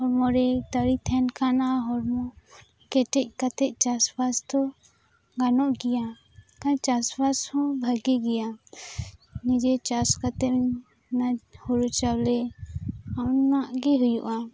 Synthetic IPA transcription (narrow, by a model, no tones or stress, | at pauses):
ɦɔɾmɔɾɛt̪əɾit̪ʰɛnkʰanaɦɔɾmɔ | kɛʈɛʔ̚kat̪ɛʔ̚t͡ʃasbast̪ɔ | ɡanɔʔɡija | kãt͡ʃasbashɔ̃bʱəɡiɡija | nid͡ʒɛt͡ʃaskat̪ɛ | nahuɾut͡ʃawlɛ | anaʔɡɛɦujuʔa